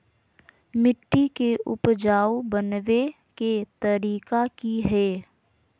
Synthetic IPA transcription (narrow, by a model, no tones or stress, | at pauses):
mɪʈːikeʔʊpd͡ʒaːwbənʋe | ket̪əɾiːkakiɦɛː